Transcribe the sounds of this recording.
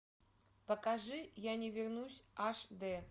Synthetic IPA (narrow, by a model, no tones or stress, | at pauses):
pɐkaʐɨjanʲɛvʲɛrnusʲaʂd̪ɛ